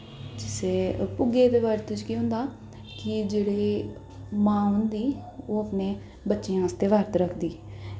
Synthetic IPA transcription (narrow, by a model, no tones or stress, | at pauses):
d͡ʒɪseːpʊɡeːt̪eːʋaːɾt̪ʊt͡ʃkiɦʊ̃nd̪aː | kɪd͡ʒeːɽeː | mãːɦʊ̃nd̪iːoːəpneː | bətːʃeːãːst̪eːʋaːɾt̪ɾəkʰd̪iː